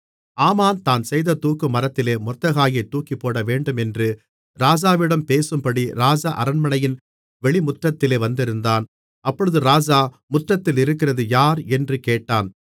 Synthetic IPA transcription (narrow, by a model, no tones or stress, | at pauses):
aːmaːnt̪aːnsɛjðɐt̪uːkːɯmɐɾɐt̪ːɪleːmʊt̪ːɐɣaːjɐɪt̪ːuːkːipːoːɽɐʋeːɳɖɯmɛndrɯ | ɾaːd͡ʒaːʋɪɽɐmpeːsɯmpɐɽiɾaːd͡ʒaːʔɐɾɐnmɐɳɐjɪn | ʋɛɭɪmʊʈrɐt̪ːɪleːʋɐnd̪ɪɾɯnd̪aːn | ɐpːɔɻɯðɯɾaːd͡ʒaː | mʊʈrɐt̪ːɪlɪɾɯkːɪrɐðɯjaːɾɛndrɯkeːʈːaːn